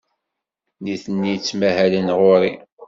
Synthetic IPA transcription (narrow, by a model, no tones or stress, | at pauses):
niθənːit͡sːmæhælənʁʊɾi